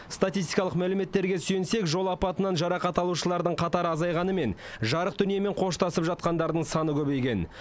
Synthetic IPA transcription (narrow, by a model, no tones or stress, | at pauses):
st̪at̪ist̪ijkɑlˠəqmælɪme̞t̪ːe̞ɾɡʲe̞syjɪnse̞kʒo̞lˠɑpɑt̪ənɑnʒɑɾɑqɑt̪ɑlˠuʃəlˠɑɾd̪əɴqʰɑt̪ɑɾɑzɑjʁɑnəme̞n | ʒɑɾəqd̪ʏnijeme̞ɴqʰo̞ʃt̪ɑsəpʒɑt̪̚qɑnd̪ɑɾd̪əɴsɑnəkʲʰɵbe̞jkʲe̞n